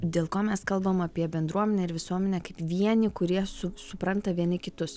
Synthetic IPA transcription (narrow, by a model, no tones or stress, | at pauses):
d̪ʲeːlˠkoːmʲɛskɐlˠbɐmɐpʲiɛbʲɛnd̪ɾuɔmʲɛnʲɛɪɾʋʲɪsuɔmʲɛnʲɛkɐɪpʋʲiɛnʲɪkʊɾʲiɛsʊsʊpɾɐnt̪ɐʋʲiɛnʲɪkʲɪt̪ʊs